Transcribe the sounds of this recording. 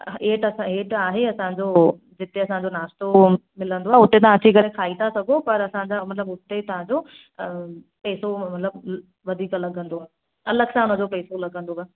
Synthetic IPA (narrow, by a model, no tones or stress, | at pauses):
eːʈɐsãeːʈaːɦeɐsãɲd͡ʑo | d͡ʑɪt̪eɐsãɲd͡ʑonaːst̪omɪlə̃nd̪oaːɦeʊt̪et̪ɐʋãɐt͡ɕikɐɾekʰaːit̪ʰasɐɡʱopɐɾɐsãd͡ʑamɐt̪ɪləbʊt̪et̪ɐʋ̤ãɲd͡ʑo | pɛːsomɐt̪ləb | ʋɐd̪ʱiːklɐɡʱə̃nd̪oaːɦe | ɐləɡsãʊnə̃d͡ʑopɛːsolɐɡʱə̃nd̪oa